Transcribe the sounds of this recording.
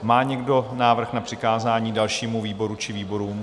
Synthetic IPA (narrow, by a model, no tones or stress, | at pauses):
maːɲɛɡdo̞naːvr̩xnapr̥ɪkaːzaːɲiːdalʃiːmuviːbo̞ɾut͡ʃɪviːbo̞ɾuːm